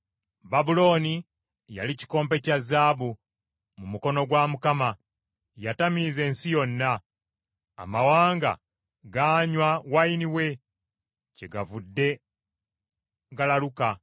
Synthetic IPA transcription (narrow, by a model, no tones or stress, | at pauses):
babulo̞ːni | ja̰lici̥ko̞ːmpe̞cazːaːbu | mumuko̞no̞ɡwamukama | jatamize̞ːnsijo̞nːa̰ː | mawaːŋɡa̰ | ɡaːɲwawainiwe̞ | ce̞ɡavudːe̞ | ɡalaluka